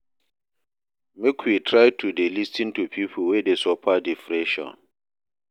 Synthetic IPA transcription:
mekʰwitʰɹajtʰudelistĩntʰupʰipʰɔwɛdesɔpʰadifɹɛʃɔ̰̃n

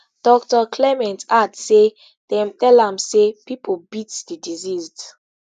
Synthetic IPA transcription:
d̥ɔk̚tɔkʰlɛmɛ̃ntatse | d̥ɛ̃mtɛlãmsepipʰobitdidizizd

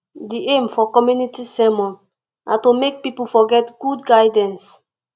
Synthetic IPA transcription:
diʔẽmfɔkɔmjunitisɛmɔ̃n | nʔatomek̚pipulfɔɡɛtɡ̥udɡaɪdɛ̃ns

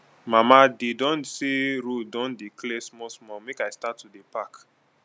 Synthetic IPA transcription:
mamadedɔ̃nseɾudɔ̃ndiklɛsmɔsmɔmekajstatːudepak

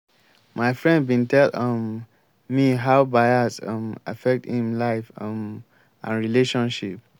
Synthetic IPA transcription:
maɪfɹɛ̃nd̚bĩntʰɛlʌmː | iɦaʊbaɪasʌma̰fɛk̚thĩmlaɪfm | ʔã̰nɹileʃɔ̃nʃip̚

